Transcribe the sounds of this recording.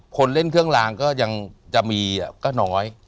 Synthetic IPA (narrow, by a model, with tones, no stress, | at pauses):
kʰo˧nle˥˩nkʰɯ˥˩əŋlaː˩˦ŋkɔː˥˩ja˧ŋt͡ɕa˨˩miː˧a˨˩kɔː˥˩nɔː˩˦j